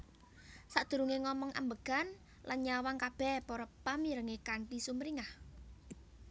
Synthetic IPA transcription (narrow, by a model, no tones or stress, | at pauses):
saʔd̪̥ṳɾuŋeŋɔmɔŋʔa̰mbəɡ̥a̤n | lanɲawaŋkab̥ɛhpɔɾɔpːamiɾəŋekaɳʈisumɾiŋah